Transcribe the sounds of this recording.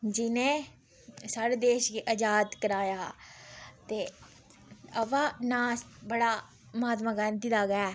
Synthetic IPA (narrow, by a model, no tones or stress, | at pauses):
d͡ʒɪnẽː | saːɽeːd̪eːʃɡiʔəd͡ʒaːd̪kəɾaːjaː | t̪eː | əʋaːnaːsbəɽaː | mɦaːt̪mãːɡaːnd̪id̪aːɡɛː